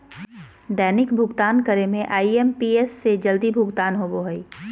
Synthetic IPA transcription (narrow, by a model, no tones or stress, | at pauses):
d̪ɛːnɪkbʱʊɡt̪aːnkəɾemẽʔaːiempiːesːed͡ʒəld̪ibʱʊɡt̪aːnɦoboɦəiː